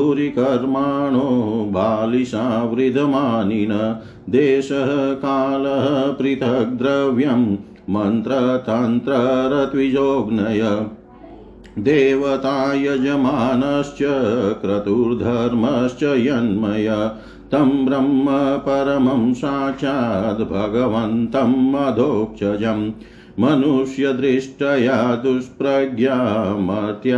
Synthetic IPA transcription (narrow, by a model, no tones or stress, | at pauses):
uɾikɐɾmaːɳoːɦbʱaːliʃaːʋɾid̪ʱɐmaːninɐ | d̪eːʃɐɦɐkaːlɐɦɐpɾit̪ʰɐk̚d̪ɾɐʋjɐmː | ɐnt̪ɾɐt̪ɐnt̪ɾɐɾɐt̪ʋid͡ʒoːɡnɐjɐ | d̪eːʋɐt̪aːjɐd͡ʒɐmaːnɐʃt͡ʃjɐkɾɐt̪uɾd̪ʱɐɾmɐʃt͡ʃɐjɐnmɐjɐ | t̪ɐmbɾɐmːɐpɐɾɐmɐmʃaːt͡ʃaːd̪bʱɐɡɐʋɐnt̪ɐmːɐd̪ʱoːk̚t͡ʃʰɐd͡ʒɐmː | ɐnuʂjɐd̪ɾiʂʈɐjaːd̪uspɾɐɡjaːmɐt̪ja